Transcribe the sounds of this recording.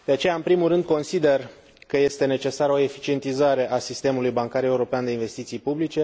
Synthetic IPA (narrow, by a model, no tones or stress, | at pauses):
d̪e̞at͡ʃe̞jaɨnpɾimulrɨnd̪̚ko̞nsid̪e̞r | kəje̞st̪e̞ne̞t͡ʃe̞saɾo̞e̞fit͡ʃie̞nt̪izaɾe̞ʔasist̪e̞mulujbaŋkaɾe̞uɾo̞peand̪einve̞st̪it̪sijpublit͡ʃe̞